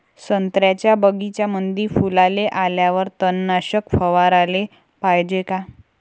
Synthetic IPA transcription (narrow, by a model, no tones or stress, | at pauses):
sənt̪ɾjat͡ɕjabəɡit͡ɕjamənd̪iːɾfulaleʔaljaʋəɾt̪ənːaɕəkfəʋaɾale | pajd͡ʑeka